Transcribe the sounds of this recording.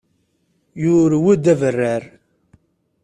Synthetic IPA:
jʊɾwæd̪ævərːæɾ

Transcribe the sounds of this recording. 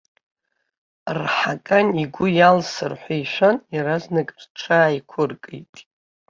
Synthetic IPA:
rħakʼaniɡʷʊjalsɨrħʷajʃʷanjaɾaznɨkʼrʈ͡ʂʰaːjkʷʰʊrkʼḭjtʼ

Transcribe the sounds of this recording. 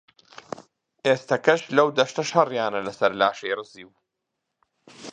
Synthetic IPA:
ʔeːst̪ɐkɐʃlɐwd̪ɐʃt̪ɐʃɐrjaːnɐlɐsɐɾlaːʃejɾɨziːw

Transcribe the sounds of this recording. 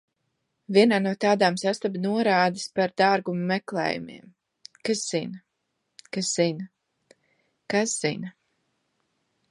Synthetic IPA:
vʲiɛnaːnuɔt̪aːd̪aːmsast̪abnuɔɾaːd̪ispaɾd̪aːɾɡummɛklˠɛ̰ːjṵmḭɛm | kasz̥in | kasz̥in | kasz̥ḭnɐ

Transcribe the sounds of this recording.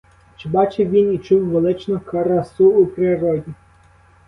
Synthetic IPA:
t͡ʃɪbɑt͡ʃeʋʲinit͡ʃuwʋelˠɪt͡ʃnʊkɐɾɐsuupɾɪɾɔdʲi

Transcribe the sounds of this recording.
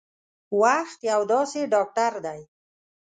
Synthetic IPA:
waxt̪jawd̪ɑseɖɑk̚ʈaɾd̪aj

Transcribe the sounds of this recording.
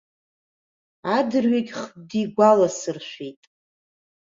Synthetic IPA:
adɨrɥekʲʼχb̚diɡʷalasɨrʃʷᶣijtʼ

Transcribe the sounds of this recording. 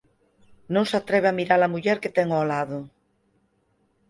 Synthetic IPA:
nõŋsat̪ɾeβ̞eamiɾalamuʎeɾket̪eŋolaðo

